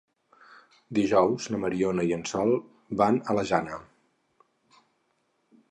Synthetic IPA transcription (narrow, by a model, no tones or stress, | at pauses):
d̪iʒɔwznəməɾionəiənsɔlˠ | banələʒanə